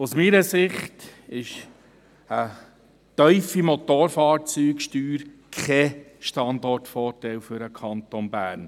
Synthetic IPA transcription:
usmiːɾəsɪχtɪʃ | ə | tœʏfimɔt̪oːɾfɑːɾt͡syːkʃtyːɾkχɛʃtɑnd̪ɔrtfɔːrtɛlfʏɾəkʰɑnt̪onbæːɾn

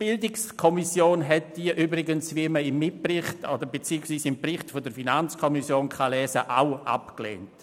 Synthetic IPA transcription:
b̥ɪldɪkskʰɔmisjoːnɦɛt̚d̥iəʔyːbɾɪɡənsviməɪmːɪt̚prɪχtodəɾbet͡siːksʋiːsɪmprɪχtfodəɾfinant͡skʰɔmisjoːnkʰalɛːzəʔa̰ʊʔa̰pklḛːnt

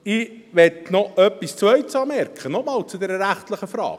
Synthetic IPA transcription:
ɪ | ʋɛtnɔʔœpːist͡sʋœʏtsɑːmɛɾkχənɔmɑːlt͡sud̪ɛːɾəɾæχtləχəfɾɑ̰ːk

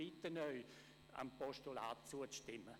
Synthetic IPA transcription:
itənœʏ | a̰mpɔʃtula̰ːt̚t͡suət͡sʃtɪmə

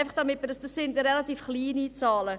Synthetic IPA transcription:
ɪfɑχd̥ɑmɪt̚məsd̥ɑsːɪndɾɛlatiːfχliːnit͡sɑːlə

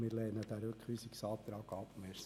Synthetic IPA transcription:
mɪɾlɛːnəd̪æɾøkʰχyːsiksɑːt̪ɾɑːɡɑpmeːɾs

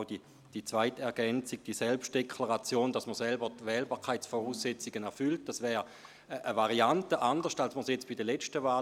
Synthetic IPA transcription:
di | d̥it͡sv̥aɪtɛɐɡɛnt͡siɡ̚d̥isɛlpʃt̚d̥ekʰlaʁat͡sjoːnd̥asməsɛlbətʋɛːlbaːkʰaɪt͡sfɔʁuːsːet͡siɡənɛɐfʏlt̚d̥asvɛːʁ | ʔəvaʁiantəʔandəʁʃtalsməsjɛt͡sb̥idəlɛt͡ʃtəvaː

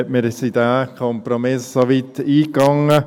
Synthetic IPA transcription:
ɛtməɾsid̪æːkʰɔmpɾomɪssoʋit̪iːkɑŋːə

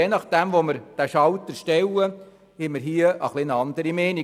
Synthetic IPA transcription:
ɛnɑχd̥æmʋoməɾd̥æʃɑwt̪əʃtɛwə | hɛməɾɦiəʔəχlɪnɑnd̪əɾimeːni

